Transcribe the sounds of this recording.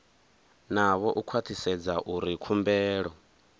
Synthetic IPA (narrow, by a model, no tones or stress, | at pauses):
naβɔʔukʰwat̪ʰisɛd͡zaʔuɾikʰumbɛːɺɔ